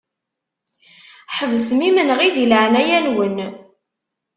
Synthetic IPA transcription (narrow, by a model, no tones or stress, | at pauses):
ħəvəsmimənʁiðiləʕnæjænwən